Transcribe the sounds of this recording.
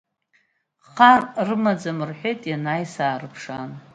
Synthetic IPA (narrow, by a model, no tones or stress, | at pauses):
χarrɨmad͡zamɨrħʷejtʼjanajsaːrɨpʰʂan